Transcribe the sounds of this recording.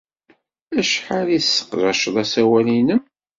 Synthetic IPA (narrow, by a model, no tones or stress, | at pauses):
æʃħalisːə̥qɾˤɑʃðˤæsæwælinəm